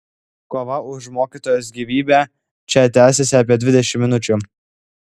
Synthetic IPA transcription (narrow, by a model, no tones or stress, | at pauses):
koːʋɐʊʃmoːkʲiːt̪oːjoːs̬ɡʲiʋʲiːbʲæː | t͡ʃʲɛt̪ʲæːsʲɛsʲɪɐp̬ʲiɛd̪ʲʋʲɪd̪ʲɛʃʲɪmʲmʲɪnʊt͡ʃʲʊ